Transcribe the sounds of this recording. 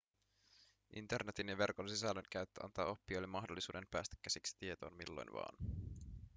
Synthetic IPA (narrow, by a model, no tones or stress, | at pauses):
ʔint̪e̞rnet̪injɑʋe̞rkonsisælːøŋkæɥt̪ːø̰ʔɑ̰nt̪ɑ̰ːo̞pːiojlemːɑɦdolːisuːde̞mpæːst̪æ̥kːæsiksi̥t̪ie̞t̪o̞̰ːnmḭlːo̞̰jnʋɑ̰ːn